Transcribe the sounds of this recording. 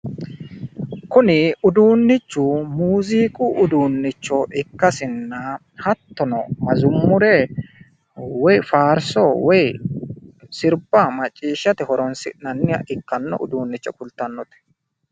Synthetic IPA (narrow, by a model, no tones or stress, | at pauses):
kʊnɪʊd̪uːnːɪt͡ʃːʊmuːziːkʼʊʔʊd̪uːnːɪt͡ʃːɔʔɪkːɐsɪnːɐ | hɐt̪ːɔnɔmɐzʊmːʊɾɛ | wɔjfaːɾsɔwɔj | sɪɾbɐmɐt͡ʃʼːiːʃːɐt̪ɪhɔɾɔnsɪ̰nɐnːɪjɐ̰ʔɪkːɐnːɔ̰ʔʊ̰d̪uːnːɪt͡ʃːɔkʊlt̪ːɐnːɔt̪ɛ̥